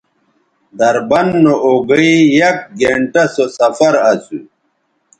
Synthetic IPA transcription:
d̪ɐɾbɐnːoʔoɡɐijɐk̚ɡeɳʈɐsosɐfɐɾɐsṵ

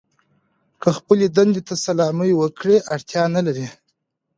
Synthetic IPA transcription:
kəxpəled̪and̪et̪asalɑməjwəkɽeʔaɽt̪jɑnalaɾi

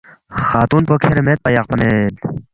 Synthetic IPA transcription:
xaːt̪uːnpokʰeɾemet̪̚pɐjɑq̚pɐnel

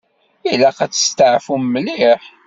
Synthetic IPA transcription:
ilæqæt͡sːə̥st̪aʕfummːəlɪħ

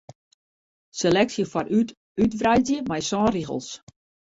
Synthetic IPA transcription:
selɛksjəfɔɾyt | ytvrajzjəmɛjsɔ̃ːriɣə̰lˠs

